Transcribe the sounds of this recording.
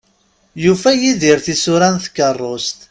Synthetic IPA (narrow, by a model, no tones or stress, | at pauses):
jufæjiðiɾθisʊɾænθə̥kːərˤːost̪